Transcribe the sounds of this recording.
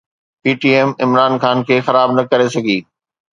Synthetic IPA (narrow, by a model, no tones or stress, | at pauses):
piːʈiːɛːmɪmɾaːnxaːnkʰeːxɐɾaːbnɐkɐɾesɐɡʱiː